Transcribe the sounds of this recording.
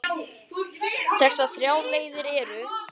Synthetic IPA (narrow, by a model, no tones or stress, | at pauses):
θɛsaθɾjaːwleːjðɪɾɛːɾʏ